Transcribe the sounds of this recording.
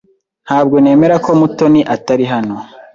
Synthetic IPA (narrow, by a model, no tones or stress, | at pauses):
nhaːbɡo̞ne̞ːme̞ɾako̞muto̞niʔataɾiɦano